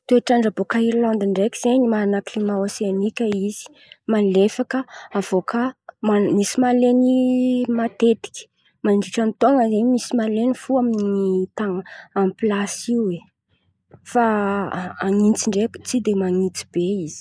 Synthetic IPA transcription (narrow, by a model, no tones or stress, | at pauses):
t̪ueʈ͡ʂaɳɖ͡ʐabokaiɾland̪iɳɖ͡ʐekʲiz̥eɲimaɾanaklimaosenikʲəiz̥i̥ | malefakəav̥okʰəmamisimalenimat̪et̪i̥kʲi̥ | maɳɖ͡ʐiʈ͡ʂant̪oŋəzeɲmisimalenifuaminiit̪aŋəamplasiue | fa | aŋint͡siɳɖ͡ʐekt͡sid̪emaŋit͡si̥b̥eiz̥i̥